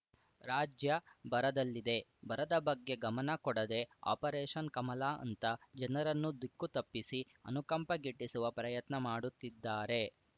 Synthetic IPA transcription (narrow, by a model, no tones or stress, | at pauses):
ɾaːd͡ʒjɐbɐɾɐd̪ɐlːid̪e̞bɐɾɐd̪ɐbɐɡːe̞ɡɐmɐnɐkɔɽɐd̪e̞a̰ːpɐɾeːʂɐnkɐmɐlaːɐ̰nt̪ɐd͡ʒɐnɐɾɐnːud̪ukːut̪ɐpːisi | ɐ̰nukɐmpɐɡiʈːisuʋɐpɾɐjɐt̪nɐmaːɽut̪ːid̪ːaːɾe̞